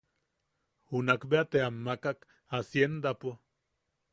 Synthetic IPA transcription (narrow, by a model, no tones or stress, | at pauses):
hunakbeat̪eamːakak | asjend̪apo